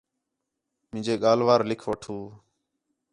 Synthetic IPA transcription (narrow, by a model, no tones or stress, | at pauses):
mɪ̃d͡ʒeːɠaːlʋaːɾlɪkʰʋəʈʰuː